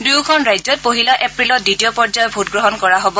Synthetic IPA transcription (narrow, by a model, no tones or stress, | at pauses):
duukʰɔnɹajzɔt̚poɦilaʔepɹilɔt̚ditijɔpɔɹzajɔbʱutɡɹɔɦɔnkɔɹaɦobɔ